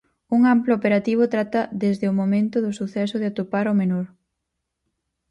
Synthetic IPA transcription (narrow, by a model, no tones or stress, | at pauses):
uŋamploopeɾat̪iβ̞ʊt̪ɾat̪ɐðezðɪomomẽnt̪ʊðʊsuθɛsʊðɪat̪opaɾomenoɾ